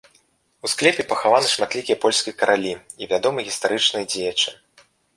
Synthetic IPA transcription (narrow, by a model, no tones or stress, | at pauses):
usklʲɛpʲipɐxavanɨʂmat̪ʲlʲikʲijɐpɔlʲsʲkʲijɐkɐɾʔalʲi | ivʲad̪ɔmɨɣʲist̪aɾɨt͡ʂnɨjd͡zʲejɐt͡ʂɨ̥